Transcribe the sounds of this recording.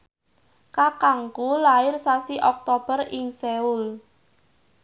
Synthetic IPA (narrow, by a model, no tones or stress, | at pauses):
kakaŋkulaɪrsasiʔɔk̚t̪ɔb̥ərɪŋsɛul